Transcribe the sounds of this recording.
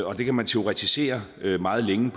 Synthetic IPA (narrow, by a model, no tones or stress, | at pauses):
ɒ̽d̥e̝kʰæmænt͡sʰe̝o̝ʁit͡sʰise̝̰ːɐmɑ̈ːð̞̩ˠleŋəpʰ